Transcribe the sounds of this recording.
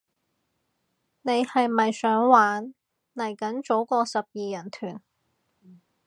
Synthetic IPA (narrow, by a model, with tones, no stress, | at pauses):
ne˨˧jhɐ˨jmɐ˨jsœː˨˥ŋwaː˨˥n | lɐ˨˩jkɐ˨˥nt͡so˨˥wkɔː˧sɐ˨p̚jiː˨jɐ˨˩nt̪ʰyː˨˩n